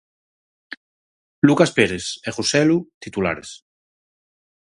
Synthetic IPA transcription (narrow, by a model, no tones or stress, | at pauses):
lukaspeɾeseχusɛlut̪it̪ula̰ɾḛs